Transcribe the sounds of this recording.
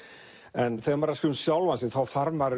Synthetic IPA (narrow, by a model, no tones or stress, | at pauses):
ənθeɔmaɾaskɪwnsjɔlˠwansinθʰɔlˠfarmaɾ